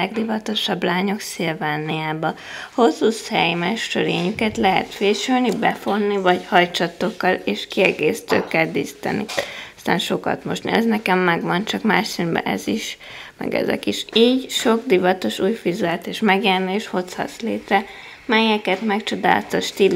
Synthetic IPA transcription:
ɛɡd̪ivɒt̪o̞ʃɒblaːɲo̞ksilvaːnːijaːbɒ | ho̞sːushɛjmɛʃtøɾeːɲykɛt̪lɛɦɛ̰t̪feːʃylnibɛfo̞nːivɒɟhɒjt͡ʃɒt̪ːo̞kːɒleːʃkiɛɡeːsi̥t̪øːkːɛld̪ḭst̪ɛ̰nːḭst̪a̰ːnʃo̞kɒ̰t̪mo̞ʃtniɛznɛkɛmːɛɡʋɒnt͡ʃɒkmaːʃsinbɛ̰ʔɛ̰ziʃmɛ̰ɡɛ̰zɛ̰kiʃiːɟʃo̞ɡ̚d̪ivɒt̪o̞ʃuːjfizɛlt̪eːʃmɛɡjɛrnieːʃho̞t̪shɒ̰t̪sleːt̪rɛ | mɛjɛkɛt̪mɛkt͡ʃo̞d̪a̰ːlt̪oʃt̪il

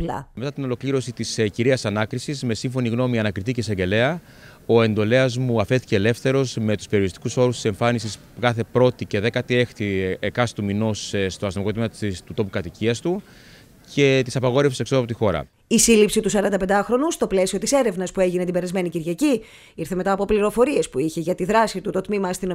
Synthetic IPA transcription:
lɐ̰me̞t̪ɐt̪ino̞lo̞kliɾo̞sit̪isciɾiɐsɐnɐkɾisizme̞siɱfo̞niɣno̞miɐnɐkɾit̪iceseɲɟe̞le̞ɐ | o̞e̞nd̪o̞le̞ɐzmuɐfe̞sθi̥ceːle̞fθe̞ɾo̞zme̞t̪u̥speɾio̞ɾist̪i̥kuso̞ɾust̪i̥se̞ɱfɐnisis | kɐθe̞pɾo̞t̪ice̞ðe̞kɐt̪ie̞xt̪ikɐsi̥t̪umino̞sst̪o̞ɐst̪omikot̪mimɐst̪ut̪o̞pukɐt̪iciɐst̪u | ce̞t̪isɐpɐɣo̞ɾe̞fsi̥seksoɐpot̪ixo̞ɾɐ̰ | isilipsit̪usɐɾɐnd̪ɐp̬end̪ɐxɾo̞nust̪o̞ple̞sio̞t̪ise̞ɾe̞vnɐspue̞ʝinet̪ibeɾɐzme̞niciɾʝɐci | iɾθe̞me̞t̪ɐːpopliɾo̞fo̞ɾie̞spuiçe̞ʝɐt̪iðɾɐsit̪ut̪o̞t̪mimɐːst̪ino

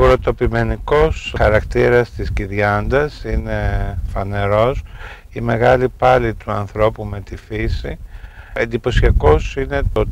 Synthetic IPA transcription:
uɾot̪o̞pime̞niko̞sxɐɾɐkt̪iɾɐst̪isciðʝɐnd̪ɐsine̞fɐne̞ɾo̞s | ime̞ɣɐlipɐlit̪uɐnθɾo̞pume̞t̪ifisiend̪ipo̞siɐko̞sine̞t̪o

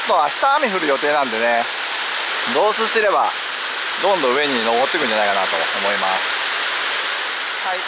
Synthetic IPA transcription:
t̪ːoβaçi̥t̪aːmʲiɸɯ̟ɾɯ̟jo̞t̪eːnãnd̪e̞ne̞ | ɡo̞ːsɨɕt̪eɾe̞ba̰ | d̪õ̞nd̪o̟e̞ɲ̟ino̞ɡo̞t̪ːekɯ̟ɲ̟d͡ʑanaikanat̪o̞̰ːmo̞ima̰sɨ̥ | hai

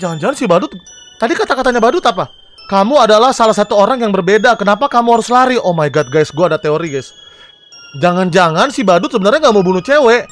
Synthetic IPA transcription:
d͡ʒaŋand͡ʒaŋansɪbadʊt̪̚ː | adikat̪akat̪aɲabadʊt̪apa | kamuadalahsalahsat̪uoɾaŋjaŋbərbedakənapakamuɦaɾʊslaɾiʔomajɡat̪̚ɡajsɡuadat̪eoɾiɡajs | d͡ʒaŋand͡ʒaŋansɪhbadʊt̪səbənərɲaŋɡaʔməbunut͡ʃewɛʔ

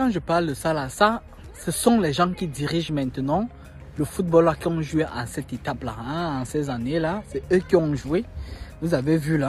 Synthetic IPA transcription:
kɑ̃ʒəpaʁld̪əsalasa | səsɔ̃lɛʒɑ̃kʲid̪iʁiʒmɛ̃t̪ənɑ̃ | ləfut̪̚bɔlakiɔ̃ʒueʔɑ̃sɛt̪et̪apla̰ɛ̃ɑ̃sɛzanelasɛøkiɔ̃ʒuevuzavevyla

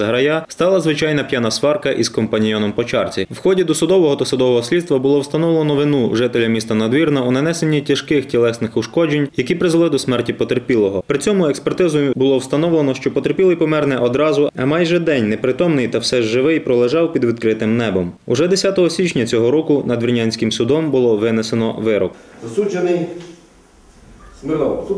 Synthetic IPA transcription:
zɐɦɾɐjast̪ɑlˠɐzʋɪt͡ʃɑjn̪ɐpʲjanɐsʋɑrkɐʔiskɔmpɐnʲijɔnɔmpɔt͡ʃɑrt͡sʲiwxɔdʲid̪ɔsʊd̪ɔʋɔɦɔt̪ɐsʊd̪ɔʋɔɦɔsʲlʲid̪st̪ʋɐbʊlˠɔwst̪ɐnɔwlˠenɔʋɪnuʒɪt̪elʲɐmʲist̪ɐnɐd̪ʋʲirnɐunɐnɛsenʲːitʲɐʃkɪxtʲilˠɛsnɪxʊʃkɔd͡ʒenʲjɐkipɾɪzlˠɪd̪ɔsmɛrtʲipɔt̪erpʲilˠɔɦɔpɾɪt͡sʲɔmʊɛkspɛrt̪ɪzʊjbʊlˠɔwst̪ɐnɔwlenɔʃt͡ʃɔpɔt̪erpʲilˠɪjpɔmɛrnɛʔɔd̪ɾɑzʊɐmɑjʒɛd̪ɛnʲnɛpɾɪt̪ɔmnɪjt̪ɐwsɛʒːɪʋɪjpɾɔlˠeʒɑwpʲid̪ʋʲid̪̚kɾɪt̪ɪmnɛbɔmʊʒɛd̪esʲat̪ɔɦɔsʲit͡ʃnʲɐt͡sʲɔɦɔɾɔkʊnɐd̪ʋʲirnʲanʲsʲkɪmsʊd̪ɔmbʊlˠɔʋɪnesenɔ̰ʋɪɾɔ̰kɐsut͡ʃenɪj | smɪɔ

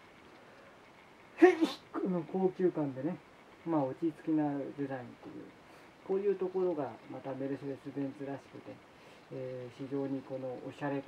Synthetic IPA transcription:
hekono̞ko̞ːkʲɨːkãnd̪e̞ne̞ | maot͡ɕit͡sɨ̥kʲinad̪e̞zaĩnt̪o̞jɯ̰ː | ko̞ːjɯ̟ːt̪o̞ko̞ɾo̞ɡamat̪ame̞ɾɯ̟ɕod̪esɨbẽ̞nt͡sɨɾaɕi̥kɯ̟t̪e̞ː | ɕiʑo̞ːɲ̟iko̞no̞ʔoɕaɾe̞

